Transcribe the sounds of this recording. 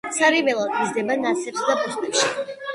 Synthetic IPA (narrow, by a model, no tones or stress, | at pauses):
saɾivɛlˠad̪ʼmizd̪ɛbanasɛpsd̪apust̪ʼɛpʃi